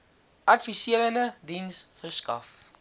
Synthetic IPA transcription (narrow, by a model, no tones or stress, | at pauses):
ʔɐtfisiələnədinsfərskɐ̰f